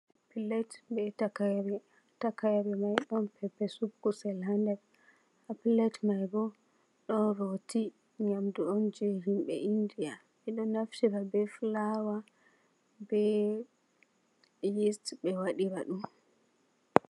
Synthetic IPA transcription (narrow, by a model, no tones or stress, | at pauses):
apilɛtbɛtakaɾɛ | takajaɾɛmajɗɔnpʰɛpːɛsubɡusɛlandɛɾ | apilɛtmajɡɔ | ɗɔnɾoti | ɲamduɔnd͡ʒɛɦimɓɛ̰ʔindia | mɛɗɔnaftiɾabɛflawa | bɛ | jistbɛwaɗiɾaɗum